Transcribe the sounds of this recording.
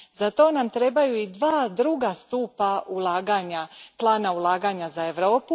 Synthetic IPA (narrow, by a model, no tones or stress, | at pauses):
zat̪o̞ːnamt̪ɾe̞bajuid̪ʋaːd̪ɾuːɡast̪uːpaulˠaːɡaːɲaplˠaːnaulˠaːɡaɲazae̞ʋɾo̞ːpu